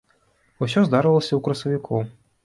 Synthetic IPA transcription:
usʲɔzd̪aɾɐlˠɐsʲɐwkɾɐsɐvʲikʰɔ

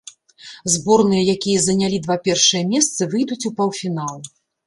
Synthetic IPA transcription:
zbɔrnɨjɐjakʲijɐzɐnʲalʲid̪vapʲɛrʂɨjɐmʲɛst̪sɨvɨjd̪ut͡sʲupɐwfʲinalˠ

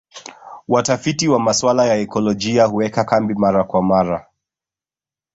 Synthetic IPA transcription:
watafitiwamaswalajaɛkɔlɔd͡ʒiahuwɛkakambimaɾakwamaɾa

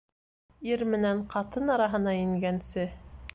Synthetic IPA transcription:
iɾmɘ̆næɴqɑt̪ɤnɑɾɑɦɤ̆nɑĭŋɡænsɘ

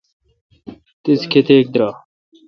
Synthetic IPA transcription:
t̪iskʰet̪eːk̚d̪ɾɑː

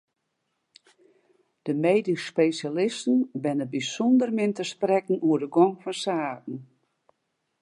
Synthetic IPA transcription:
d̥əmeːdispejsjalɪstən̩bɛnəbisɔndərmɪntəsprɛkn̩uədəɡɔŋfɔnsaːtn̩

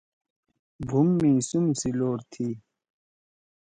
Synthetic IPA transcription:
bʱumːĩːsumsiloːɾt̪ʰiː

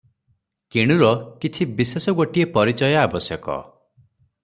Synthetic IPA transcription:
kiɽ̃uɾɔkit͡ʃʰibisesɔɡoʈiepɔɾit͡ʃɔjɔabɔsjɔkɔ̰

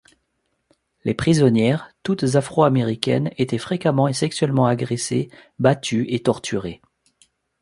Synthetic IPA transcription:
lepχizɔnjɛʁt̪ut̪zafχoameʁikʲɛ̰net̪ɛfχekamɑ̃esɛksɥɛlmɑ̃aɡʁesebat̪ʰyet̪ɔʁt̪ʰyʁe

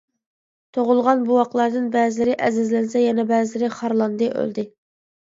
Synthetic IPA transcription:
t̪ʰoʁʊlˠʁɑnbuwɑqlˠɑɾd̪ɨnbɛzɪlɪɾɪʔɛzɪzlɛnsɛjɛnɛbɛːzɪlɪɾɪχɑɾlˠɑnd̪ɨʔø̰ld̪ɪ

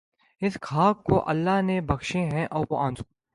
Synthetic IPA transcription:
ɪskʰaːkːoʔɐlːaɦnebɐkʃẽɦɛ̃ʔɔːɾʋoʔãːnd͡ʒu̥

